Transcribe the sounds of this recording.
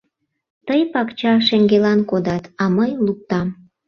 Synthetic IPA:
t̪əjpɑkt͡ɕɑʃeŋɡelɑnkod̪ɑt̪ɑməjluk̚t̪ɑm

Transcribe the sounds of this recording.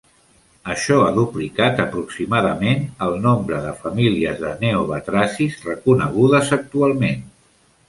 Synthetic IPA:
əʃɔaðuplikat̪əpɾuksimaðəmenəlˠnombɾəðəfəmiliəzðəneoβət̪ɾasizrəkunəɣ̞uðəzək̚t̪ualˠmen

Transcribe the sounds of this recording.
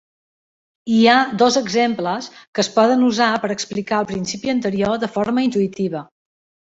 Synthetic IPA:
iad̪ɔzəɡzempləskəspɔðənuzapəɾəksplikaəlˠpɾinsipiənt̪əɾioðəfoɾməint̪uit̪iβ̞ə

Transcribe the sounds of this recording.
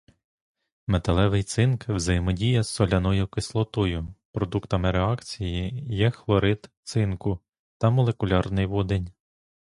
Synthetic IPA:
met̪ɐlˠɛʋɪjt̪sɪnkwzɐjɪmɔdʲijɐsɔlʲɐnɔjʊkɪslˠɔt̪ɔjʊpɾɔd̪ukt̪ɐmɪɾeɑkt͡sʲijijɛxlˠɔɾɪd̪t̪sɪnkʊ | t̪ɐmɔlˠe̞kʊlʲɑrnɪjʋɔd̪enʲ

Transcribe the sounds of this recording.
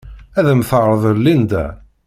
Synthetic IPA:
æðəmθəʁɾˤəðˤəɾlind̪æ̰

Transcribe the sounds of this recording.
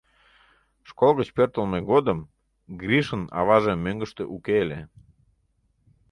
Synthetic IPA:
ʃkolɣət͡ɕpørt̪əlmeɣod̪əm | ɡrʲiʃənɑ̰βɑʒemøŋɡəʃt̪eʔukele

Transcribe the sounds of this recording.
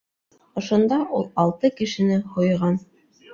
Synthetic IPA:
ŏʃŏnd̪ɑʔulˠɑlˠt̪ɤkɘ̆ʃɘ̆nɘhŏjʁɑn

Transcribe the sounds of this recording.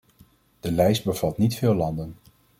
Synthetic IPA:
d̥əlɛjsd̚bəv̥ɑtnitfɪːlɑndən

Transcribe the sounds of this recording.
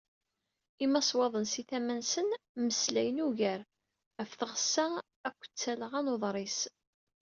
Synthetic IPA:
imːæsˤwɑðˤənsiθæmænsənməslæjənuʝæɾ | æfθəʁəsːæ | ækʷːə̥t͡sːæləʁænoðˤɾˤis

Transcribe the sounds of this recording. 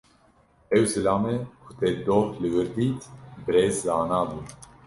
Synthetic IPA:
ɛwsɨlaːmɛkʰut̪ɛd̪oːhlɨɣɨɾd̪iːt̪bɾeːzzaːnaːbu

